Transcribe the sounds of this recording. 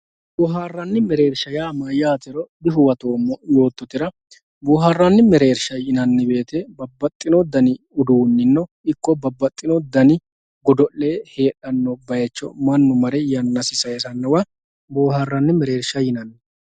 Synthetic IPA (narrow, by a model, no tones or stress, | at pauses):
bɔːɦaːrːɐnːɪmɛɾe̞ːɾʃɐjaːmɐjaːt̪ɪɾɔb̪ɪɦʊwɐt̪oːmːɔjo̞ːt̪ːɔt̪ɪɾɐ | boːɦarːɐnːɪmɛɾe̞ːɾʃɐjɪnɐnːɪbe̞ːt̪ebɐbːɐt̪ʼːɪnɔd̪ɐnɪ | ʊd̪uːnːɪnːɔ | ɪkːɔbɐbːɐt̪ʼːɪnɔd̪ɐnɪ | ɡɔd̪ɔʔleːhe̞ːᶑɐnːɔbɐjɛt͡ʃːɔ̰mɐnːʊmɐɾɛjɐnːɐsɪsɐjɛsɐnːɐwɐ | boːɦaːrːɐnːɪmɛɾe̞ːɾʃɐjɪnɐnːɪ